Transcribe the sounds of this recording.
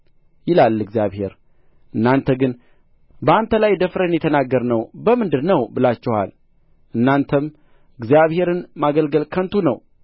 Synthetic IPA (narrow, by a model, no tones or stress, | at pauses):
jɪlalːɨɡzijaβhe̞̰ɾ | ʔɨnːant̪ʰəɡɨn | bəant̪ʰəlajd̪əfɾenjɛt̪ʰənaɡəɾnəwbəmɨnd̪ɨdnəwbɨlat͡ʃːɛhwa̰l | ʔɨnːant̪ʰəm | ɨɡzijaβhe̞ɾɨnmaɡəlɡəlkʰənt̪ʰunə̰w